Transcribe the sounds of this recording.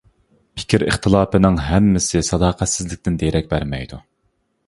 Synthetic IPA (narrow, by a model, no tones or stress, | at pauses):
pʰɪ̥kʲʰiɾɨ̰χt̪ʰɨlˠɑːpɨnɪŋɦɛmːɪsɪsɑd̪ɑːqʰɛt̪sɪzlɪkʲt̪ɪnd̪eɾʔɛk̚ʲbæɾmɛjd̪u